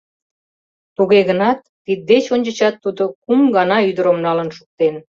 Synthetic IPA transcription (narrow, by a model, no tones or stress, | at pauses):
t̪uɣeɣənɑt̪ːid̪̚d̪et͡ɕonʲd͡ʑət͡ɕɑt̪ːud̪okumɡɑnɑyd̪əɾomnɑlənʃu̥k̚t̪en